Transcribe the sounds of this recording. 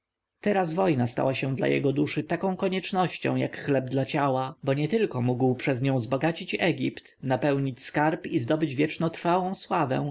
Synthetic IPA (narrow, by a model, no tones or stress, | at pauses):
t̪ɛɾazvɔjnast̪a̰waɕɛ̃d̪la̰jɛ̰ɡɔd̪uʂɘt̪akɔ̃w̃kɔɲɛt͡ʂnɔɕt͡ɕɔ̰̃w̃jakxlɛb̚d̪lat͡ɕawabɔɲɛt̪ɘlkɔmuɡwpʂɛzɲɔ̃w̃zbɔɡat͡ɕit͡ɕɛɡʲḭpt̪napɛwɲit͡ɕskaɾpizd̪ɔbɘd͡ʑvʲjɛt͡ʂnɔt̪ɾfawɔ̃w̃swavɛ̰̃w̃